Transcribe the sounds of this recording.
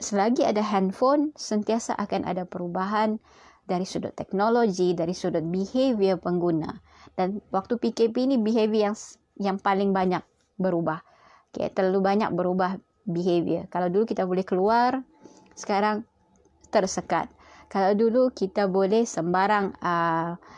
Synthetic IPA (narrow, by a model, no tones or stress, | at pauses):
səlaɡia̰daɦɛnfonsənt̪iasa̰ʔakanʔa̰dapəɾubaɦan | daɾisudʊ̰t̪ːɛk̚nolod͡ʒidaɾisudʊt̪̚biheviəpəŋɡuna̰ | d̥anwak̚t̪upikepiːnibiɦeviəjaŋ | jaŋpalɪŋbaɲak̚ | bəɾubah | ka̰t̪ərlalubaɲa̰k̚bəɾubah | biɦevḭəkalawdulukit̪abolɛhkəluar | sə̥kaɾaŋ | t̪ərsəka̰t̪̚ | kalawdulukit̪abolɛhsəmbaɾaŋə